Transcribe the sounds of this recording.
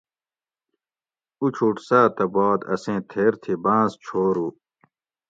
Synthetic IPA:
ut͡ɕʰuʈsaːt̪ɐbaːd̪ɐ̰sẽːt̪ʰeːɾt̪ʰibãːst͡ɕʰoːɾuː

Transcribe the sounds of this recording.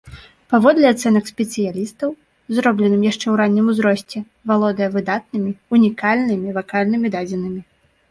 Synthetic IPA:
pavɔd̪lʲɛat̪sɛnɐksʲpʲɛt̪sɨjalʲist̪ɐw | zɾɔblʲɛnɨmjaʂt͡ʂɛwɾanʲːimuzɾɔsʲt͡sʲɛ | valˠɔd̪ɐjɐvɨd̪at̪̚nɨmʲiunʲikalʲnɨmʲivakalʲnɨmʲid̪ad͡zʲɛnɨmʲi

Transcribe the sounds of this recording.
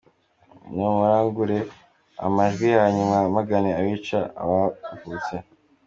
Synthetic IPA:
nomuɾaːŋɡuɾe̞ | a̰maʒɡwijaːɲumamaɡaneaβit͡ʃaa̰βavut͡se

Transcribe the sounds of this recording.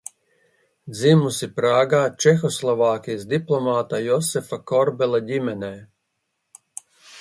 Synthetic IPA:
d̪zimusipɾaːɡaːt͡ʃɛxɔslˠɔvaːkʲijsd̪iplˠɔmaːt̪ajɔsɛfakɔɾbɛlˠadʲimɛnɛː

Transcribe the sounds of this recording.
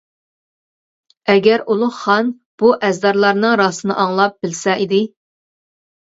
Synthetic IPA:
ɛɡʲɛɾulˠʊχχɑn | b̥uʔɛzd̪ɑɾlˠɑɾnɨŋɾɑːsɨnɨ̰ʔɑŋlˠɑp̚bɪlsɛid̪ɪ

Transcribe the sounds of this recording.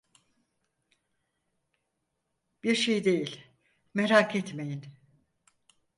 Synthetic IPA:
b̥iɾʃejd̪e̞jilʲ | meɾakʰɛt̪me̞jin

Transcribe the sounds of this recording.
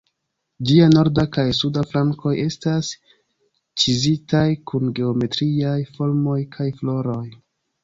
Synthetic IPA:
d͡ʒiano̞ɾdakajsudaflaŋko̞je̞stas | t͡ʃizitajkunɡe̞ome̞tɾiajfo̞lmo̞jkʰajflo̞ɾo̞j

